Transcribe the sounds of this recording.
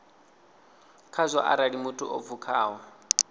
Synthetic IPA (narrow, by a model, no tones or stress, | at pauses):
kʰazʷɔ̰ʔa̰ɾaɺimutʼuʔo̰fʰukʰaːɦɔ